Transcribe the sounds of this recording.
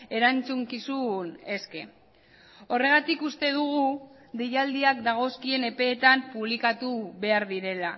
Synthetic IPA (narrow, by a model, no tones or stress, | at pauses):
e̞ɾant͡suŋkisune̞ske̞ | o̞re̞ɣ̞at̪ikust̪e̞ð̞uɣ̞u | d̪ejald̪iakd̪aɣ̞o̞skie̞ne̞pe̞ːt̪ampuβ̞likat̪uβe̞aɾðiɾe̞la